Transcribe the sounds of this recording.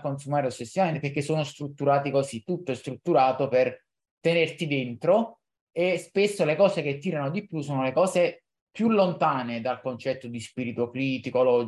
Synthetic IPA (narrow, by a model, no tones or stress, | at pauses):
konsumaːɾeot͡ʃːesːivament̪eperk̟ːesːoːnost̪ɾut̪ːuɾaːt̪ikosit̪ːut̪ːoest̪ɾut̪ːuɾaːt̪oper | t̪enert̪id̪ent̪ɾo | espesːolekɔːsek̟et̪ːiːɾanod̪ipjusoːnolekɔːze | pjulːont̪aːned̪alkont͡ʃɛt̪ːod̪ispiɾit̪okɾiːt̪ikolɔd͡ʒ